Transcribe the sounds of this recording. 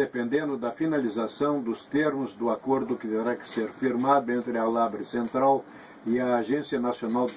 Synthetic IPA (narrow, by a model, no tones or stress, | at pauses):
epẽnd̪ẽnd̪ʊd̪ɐfinalizasɐ̃w̃d̪ʊst̪eɾmʊzd̪ʊakoɾd̪ʊkɪt̪eɾakɪ̥seɾfiɾmad̪ʊẽnt̪ɾɪalabɾɪsẽnt̪ɾaw | ɪɐːʒẽsiɐnasionaw